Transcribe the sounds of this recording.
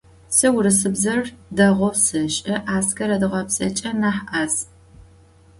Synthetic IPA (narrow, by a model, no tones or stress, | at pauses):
sɨwɾɨsɨbzɐrdɐʁʷɔwsɨɕʼɐʔaːskʰɐɾɐdɨʁɐpsʼɐt͡ʃʼɐnaːħʔaz